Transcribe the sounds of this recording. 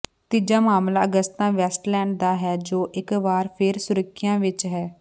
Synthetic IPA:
t̪iːd͡ʒaːmaːmlaːəɡəst̪t̪ãːʋɛːsʈlɛːɳɖ̚d̪aːɦɛːd͡ʒoːʔɪkʋaːɾpʰɪɾsʊɾəkʰːɪjãːʋɪt͡ʃɦɛː

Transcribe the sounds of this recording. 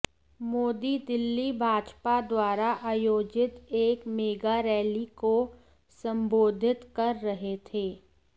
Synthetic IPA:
moːd̪id̪ɪlːibʱaːd͡ʒpad̪waːɾaʔaːjoːd͡ʒɪt̪eːkmeːɡaɾɛːliko | sɐ̃mboːd̪ʱɪt̪kɐɾːɐɦet̪ʰeː

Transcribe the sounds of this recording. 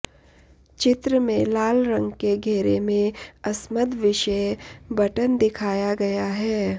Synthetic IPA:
t͡ʃɪt̪ɾəmẽlaːlɾə̃ŋɡkeɡʱeːɾemẽɐsməd̪ʱʋɪʃəbɐʈənd̪ɪkʰaːjaɡɐjaɦɛː

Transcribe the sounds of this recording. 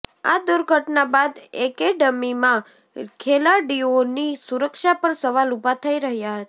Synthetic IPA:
a̰d̪uɾɡʱəʈnabad̪ekeɖəmimã | kʰelaɖionisuɾəkʃapəɾsəʋalubʱat̪ʰəiɾəɦjaɦət̪a

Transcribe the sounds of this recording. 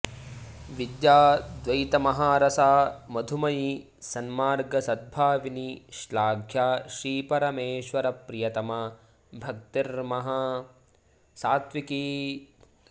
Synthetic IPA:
ʋid̪jaːd̪ʋɐjt̪ɐmɐɦaːɾɐsaːmɐd̪ʱumɐji | sɐnmaːɾɡɐsɐd̪̚bʱaːʋiniʃlaːɡʱjaːʃɾiːpɐɾɐmeːʃʋɐɾɐpɾijɐt̪ɐmɐ | bʱɐk̚t̪iɾmɐɦɐ | saːt̪ʋikiː

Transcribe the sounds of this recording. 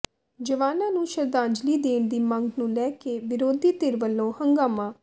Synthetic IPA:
d͡ʒəʋaːnãːnũːʃəɾd̪ãːɲd͡ʒliːd̪eːɳd̪iːmə̃ŋɡnũːlɛːkeːʋɪɾoːd̪iːt̪ɪɾʋəlːõːhəŋɡaːmãː

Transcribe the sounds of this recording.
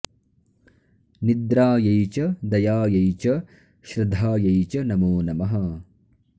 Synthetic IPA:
nid̪ɾaːjɐjt͡ʃɐd̪ɐjaːjɐjt͡ʃɐ | ʃɾɐd̪ʱaːjɐjt͡ʃɐnɐmoːnɐmɐɦɐ

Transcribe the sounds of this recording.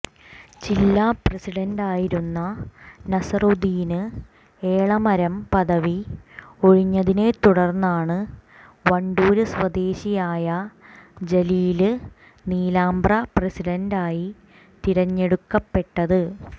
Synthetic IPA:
t͡ɕilːaprɐsiɽɐndaːjiɾunːɐnɐsɐrud̪ijinɨ | e̞ːɭɐmɐɾɐmpɐðɐʋio̞ɻiɲːɐðine̞t̪uɽɐrnːaːɳɨ | ʋɐɳɖuːɾɨsʋɐd̪e̞ːɕijaːjɐd͡ʑɐliːlɨ | niːlaːmbrɐprɐsiɽɐndaːji | t̪iɾɐɲːe̞ɽukːɐpːe̞ʈːɐðɨ

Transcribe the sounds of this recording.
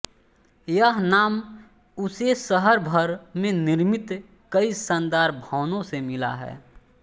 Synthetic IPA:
jəɦnaːm | ʊsesəɦəɾbʱəɾmẽnɪɾmɪt̪ | kəisənd̪aːɾbʱɔːnõsemɪla̰ɦɛ̰ː

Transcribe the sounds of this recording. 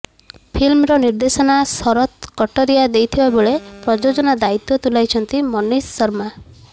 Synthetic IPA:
pʰilmɾɔniɾd̪esɔnasɔɾɔt̪kɔʈɔɾijad̪ejt̪ʰibaboɭepɾɔd͡ʒod͡ʒɔnad̪ait̪ɔt̪ulajt͡ʃʰɔnt̪imɔnisːɔɾma

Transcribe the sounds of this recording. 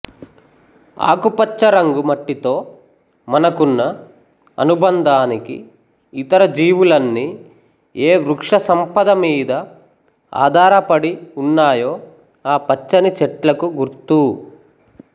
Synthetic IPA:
a̰ːkupɐt͡ʃːɐɾɐŋɡumɐʈːit̪o̞ː | mɐnɐkunːɐ | ɐ̰nubɐnd̪ʱaːnikḭː | t̪ɐɾɐd͡ʒiːʋulɐnːi | eːʋɾukʂɐsɐmpɐd̪ɐmiːd̪ɐ | a̰ːd̪ʱaːɾɐpɐɽiunːaːjoː | aːpɐt͡ʃːɐnit͡ʃɛʈlɐkuɡuɾt̪u

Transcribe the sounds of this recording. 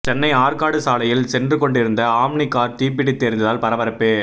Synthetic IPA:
t͡ʃɛnːɐɪaːɾkaːɽɯsaːlɐjɪlsɛndrɯkɔɳɖɪɾɯnd̪ɐaːmnɪkːaːɾt̪iːɾp̬ɪɽit̪ːeːɾɪnd̪ɐðaːlpɐɾɐʋɐɾɐpːeː

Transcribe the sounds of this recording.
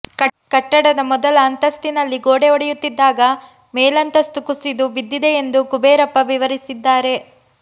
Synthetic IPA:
kɐʈːɐɽɐd̪ɐmɔd̪ɐlɐːnt̪ɐst̪inɐlːiɡoːɽeɔɽɛjut̪ːid̪ːaːɡɐ | mɛːlɐnt̪ɐst̪ukusid̪uʋid̪ːid̪e̞end̪ukubeːɾɐpːɐʋiʋɐɾisid̪ːaːɾe̞

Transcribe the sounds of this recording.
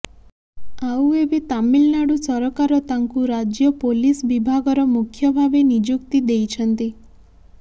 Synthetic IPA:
aueʋit̪amilnaɽũsɔɾɔkaɾɔt̪ãŋkuɾad͡ʒjəpolisʋibʱaɡɔɾɔmukʰjəbʱaʋenid͡ʒukt̪id̪ejt͡ʃʰənt̪i

